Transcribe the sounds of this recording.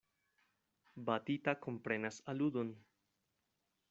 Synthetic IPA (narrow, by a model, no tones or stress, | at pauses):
bat̪it̪akompɾenasalud̪un